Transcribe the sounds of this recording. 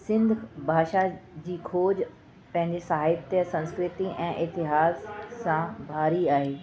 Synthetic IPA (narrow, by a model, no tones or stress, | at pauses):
sɪ̃nd̪ʱbʱaːʃad͡ʑiːkʰoːd͡ʑ | pɐ̃ɦɪ̃ɲd͡ʑesɐɦaːɪbt̪jəsɐ̃nskɾɪt̪iʔɛ̃ːʔɪt̪ɪɦaːsːãbʱaːɾiaːɦeː